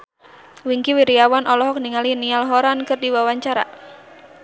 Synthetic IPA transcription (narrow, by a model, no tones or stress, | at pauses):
wiŋkiwiɾiawanʔɔlɔɦɔk̚niŋalinialɦɔɾankɨrdiwawaɲt͡ʃaɾa̰